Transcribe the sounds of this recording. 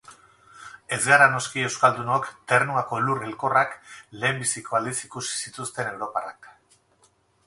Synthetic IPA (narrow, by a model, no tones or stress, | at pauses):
e̞zɡaɾano̞skie̞wskald̪uno̞kt̪e̞rnuako̞lurelko̞rakle̞ːmbisiko̞ald̪isikusi̥sit̪ust̪e̞ne̞wɾo̞para̰k